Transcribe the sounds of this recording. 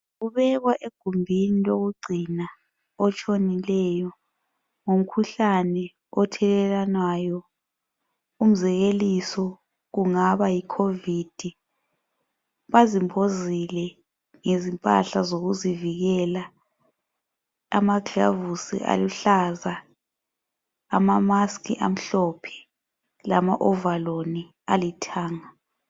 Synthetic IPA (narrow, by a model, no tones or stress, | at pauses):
ɣuβɛɣwaʔeɡ̥ʱumbʱiniloɣuɡ͡ǀʱina | ɔt͡ʃʰʼonilɛːjɔ | ŋum̩kʰuɬanɛ | ɔtʰɛlɛlanwajɔ | um̩zɛɣelisɔ | ɣuŋaβajikʰovid̥ʱi | βazimbʱozilɛ | ŋezimpʼa̰ɬazoɣuziviɣɛla | amaɡʱa̰vusḭʔa̰luɬaza | amamaskʰʼiʔam̩ɬɔpʰɛ̥ | lamaʔɔvaloni | alitʰaːŋa